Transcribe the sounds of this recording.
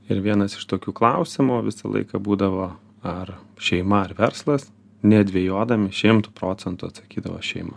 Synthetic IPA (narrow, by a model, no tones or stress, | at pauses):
ɪɾʋʲiɛnɐsɪ̥ʃt̪oːkʲuːklˠɐʊsʲɪmuʋʲɪsɐ̰lˠɐ̰ɪkɐbuːd̪ɐʋoː | ɐrʃʲɛɪmɐɐrʋʲɛɾslˠɐs | nʲɛɐd̪ʲʋʲeɛjoːd̪ɐmʲɪʃʲɪmt̪uːpɾoːsʲɛnt̪uɐt̪sɐkʲiːd̪ɐʋo̰ʃʲɛɪmɐ